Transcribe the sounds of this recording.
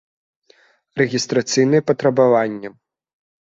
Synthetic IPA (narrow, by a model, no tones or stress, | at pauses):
rɛɣʲist̪ɾat̪sɨjnɨjɛpɐt̪ɾɐbavanʲːɐ